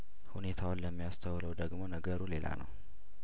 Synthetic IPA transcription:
hune̞t̪ʰawʊnləmːijast̪ʰəwləwd̪əɡmo̞nəɡəɾule̞la̰nə̰w

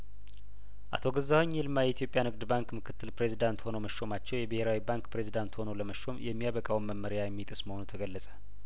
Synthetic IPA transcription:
ʔa̰t̪ʰo̞ɡəzːaweɲːilmajɛit̪ʰjo̞pʼjanhɨɡd̪baŋkmɨkʰɨt̪ʰːɨlpɾe̞zid̪ant̪ho̞nəwməʃo̞mat͡ʃːɛwjɛbɨhe̞ɾawibaŋkpɾe̞zid̪ant̪ho̞nowləməʃːo̞mjɛmːijaβəkʼawmːəmːəɾjajɛmːit̪ʼɨsməho̞nut̪ʰəɡəlːəsʼə̥

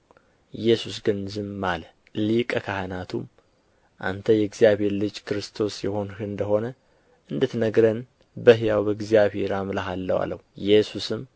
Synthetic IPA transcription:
jɛsusɡɨnzɨmːalə | likʼəkʰahanat̪ʰum | ʔa̰nt̪ʰəjɛɡzijaβhe̞ɾlɨd͡ʒkʰɨɾɨst̪ʰo̞sjɛho̞nhɨɨnd̪əho̞nə | ʔɨnd̪ɨt̪nəɡɾən | bəɦjawbəɡzijaβhe̞ɾamlaɦalːəwa̰lːə̰hjɛsusɨm

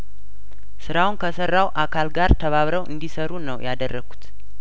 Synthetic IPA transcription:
sɨɾawunkʰəsərːawʔakʰalɡaɾt̪ʰəβaβɾəwʔɨ̰nd̪isəɾunəwjad̪ərːəɡu̥t̪

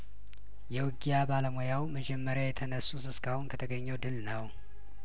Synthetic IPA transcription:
jɛwɨɡijabaləmojawməd͡ʒɛmːəɾjajɛt̪ʰənəsːusɨskʰahunkʰət̪ʰəɡəɲːɛwd̪ɨlnəw

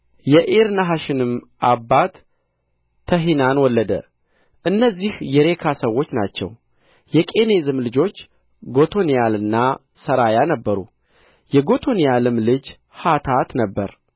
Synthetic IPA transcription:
jɛʔeɾnaɦaʃɪnɨm | ʔabːat̪ʰː | əɦinanwɔlːəd̪ə̰ | ʔɨnːəzːihjɛɾe̞kʰasəwːo̞t͡ʃːna̰t͡ʃːɛ̰w | jɛkʼe̞ne̞zɨmlɨd͡ʒo̞t͡ʃː | ɡo̞t̪ʰo̞nijalɨnːa | səɾajanəbːəɾṵ | jɛɡo̞t̪ʰo̞nijalɨmlɨd͡ʒ | hat̪ʰat̪nəbːəɾ

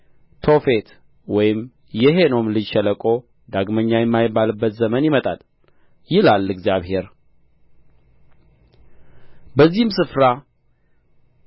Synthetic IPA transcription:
t̪ʰo̞fe̞t̪ | wɔjɪm | jɛɦe̞no̞mlɨʃɛləkʼo̞ | d̪aɡməɲːajɛmːajɪbalɨbːət̪zəmənjɪmət̪ʼa̰l | jɪlalːɨɡzjaβhe̞ɾ | bəzːihɨmsɨfɾa

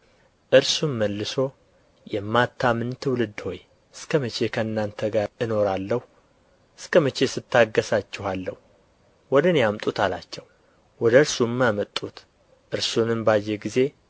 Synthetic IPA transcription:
ʔɨɾsumːəlːɨso̞ | jɛmːat̪ʰːamɨnt̪ʰɨwʊlɨd̪ːho̞j | ɨskʰəmət͡ʃʰe̞kʰəɨnːant̪ʰəɡaɾɨno̞ɾalːəhu | ʔɨskʰəmət͡ʃe̞sɨt̪ʰːaɡːəsat͡ʃːɛhalːə̰h | wɔd̪ɨnjamt̪ʼut̪ʰalat͡ʃːɛw | wɔd̪əɨɾsumːamət̪ʼːut̪ | ʔɨɾsunɨmbajːeɡize̞

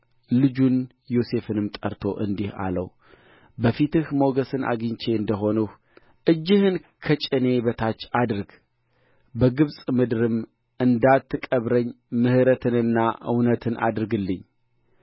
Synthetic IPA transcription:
lɨd͡ʒun | jo̞se̞fɨnɨmt̪ʼə̰ɾt̪ʰo̞̰ʔɨnd̪iha̰lə̰w | bəfit̪ɨhmo̞ɡəsɨnʔa̰ɡɨɲt͡ʃʰe̞ɨnd̪əɦo̞nuh | ʔɨd͡ʒːɪhɨnkʰət͡ʃʼɪne̞βət̪ʰat͡ʃːad̪ɾɨɡ | bəɡɨβsʼmɨd̪ɨɾɨm | ɨnd̪at̪ːɨkʼəβɾəɲː | mɨhɨɾət̪ʰɨnɨnːaʔɨ̰wnət̪ʰɨnʔa̰d̪ɾɨɡɨlːɨɲː

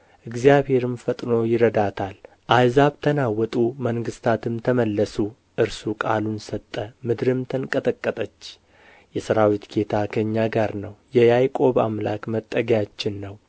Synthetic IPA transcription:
ʔɨɡzijabhe̞ɾɨmfət̪ʼno̞jɪɾəd̪at̪ʰal | ʔajzabt̪ʰənawɔt̪ʼuməŋɡɨst̪ʰat̪ʰɨmt̪ʰəməlːəsu | ʔɨɾsukʼa̰lunsət̪ʼːəmɨd̪ɾɨmt̪ʰənkʼət̪ʼəkʼːət̪ʼət͡ʃː | jɛsɨɾawit̪ɡʰe̞t̪ʰakʰəɲːaɡaɾnəwjɛjajkʼo̞βa̰mlakmət̪ʼːəɡjat͡ʃːɪnːəw

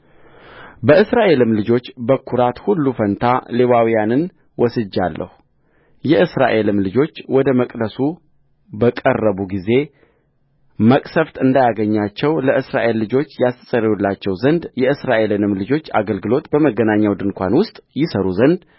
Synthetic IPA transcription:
bəɨsɾaʔe̞lɨmlɨd͡ʒo̞t͡ʃːbəkʰːuɾat̪hulːufənt̪ʰaleβawijanɨn | wɔsɨd͡ʒːalːʔə̰hu | jɛʔɨsɾa̰ʔe̞lɨmlɨd͡ʒo̞t͡ʃːwɔd̪əməkʼd̪əsu | bəkʼərːəβuɡize̞ | məkʼsəft̪ɨnd̪ajaɡəɲːat͡ʃːɛwləʔɨsɾaʔe̞lːɨd͡ʒo̞t͡ʃːjast̪ʰəsʼəɾjulːat͡ʃːɛwzənd̪jɛɨsɾaʔe̞lɨnɨmlɨd͡ʒo̞t͡ʃːa̰ɡəlɡɨlo̞t̪bəməɡːənaɲːawd̪ɨnkʷʰa̰nwʊst̪ʼjɪsəɾuzənd̪

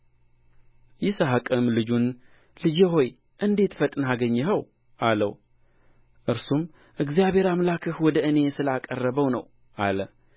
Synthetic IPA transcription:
jɪsaɦakʼɨmlɨd͡ʒun | lɨd͡ʒeɦo̞j | ʔɨnd̪e̞t̪fət̪ʼnaɡəɲːɛɦəw | ʔalə̰w | ʔɨɾsum | ʔɨɡzijaβe̞ɾamlakʰəhwɔd̪əɨne̞sɨlakʼərːəβəwnəw | ʔalə

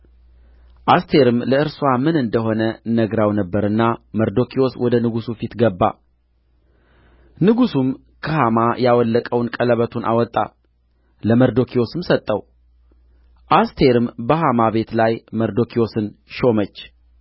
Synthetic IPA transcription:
ʔast̪ʰe̞ɾɨmləɨɾswamɨnɨnd̪əɦo̞nənəɡɾawnəbːəɾɨnːaməɾd̪o̞kʰio̞swɔd̪ənɨɡusufit̪ɡəbːa̰ | nɨɡusum | kʰəhamajawɔlːəkʼəwnkʼələβət̪ʰunʔa̰wɔt̪ʼːa̰ | ləməɾd̪o̞kʰio̞sɨmsət̪ʼːəw | ʔast̪ʰe̞ɾɨmbəhamaβe̞t̪lajməɾd̪o̞kʰio̞sɨnʃo̞mət͡ʃː

